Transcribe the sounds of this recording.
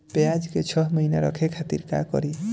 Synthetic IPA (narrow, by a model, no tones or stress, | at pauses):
pead͡ʒket͡ʃʰɔɦmɔinaɾɔ̰kʰekʰat̪ḭɾka̰kɔ̰ɾi